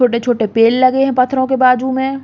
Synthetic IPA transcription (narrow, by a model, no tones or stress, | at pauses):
oːʈet͡ʃʰoːʈepeːllɐɡeɦɛ̃pɐt̪ʰːɾõkebaːd͡ʒumẽ